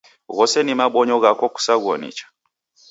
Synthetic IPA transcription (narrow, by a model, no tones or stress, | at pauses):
ɣɔsɛnimaɓɔɲɔɣakɔku̥saɣɔnḭt͡ʃḁ